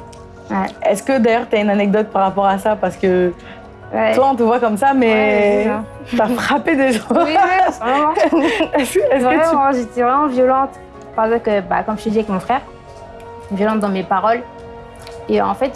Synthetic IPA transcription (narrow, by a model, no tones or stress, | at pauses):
wɛɛskəd̪ajœʁt̪yaynanɛk̚d̪ɔt̪̚paʁːapɔʁasapaʁsə̥kə | wɛt̪waɔ̃t̪əvwakɔmsamɛ | yafχaped̪eʒɑ̃wiwisɛvʁɛmɑ̃ɛsɛsvʁəɛmʒet̪ɛvʁɛmɑ̃vjɔlɑ̃t̪ | paʁɛɡzɑ̃plkəba̰kɔmʒətid̪iavɛkmɔ̃fχɛʁ | vjɔlɑ̃t̪̚d̪ɑ̃mepaʁɔl | eɑ̰̃fɛt̪